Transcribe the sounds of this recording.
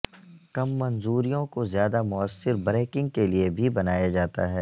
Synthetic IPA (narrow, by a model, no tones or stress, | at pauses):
kɐmːɐnzuːɾijõkozjaːd̪amʊəsːɪɾbɾeːkɪ̃ŋɡ̚keliebʱibɐnaːjad͡ʒaːt̪a̰ɦɛː